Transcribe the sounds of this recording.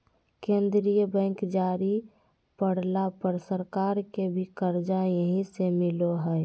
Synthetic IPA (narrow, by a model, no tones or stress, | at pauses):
kẽnd̪ɾijəbɛ̃ŋkd͡ʒaːɾi | pəɽ̤lapəɾsəɾkaːɾkebʱikəɾd͡ʒajəɦĩsemɪloɦəɛ